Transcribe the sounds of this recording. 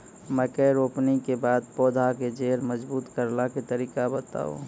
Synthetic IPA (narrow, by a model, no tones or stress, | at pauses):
mɛ̃kɛɾoːpnikebaːd̪̚poːd̪ʱaked͡ʒeːɾməd͡ʒbuːt̪kəɾlaket̪əɾiːkabət̪a̰ːo̰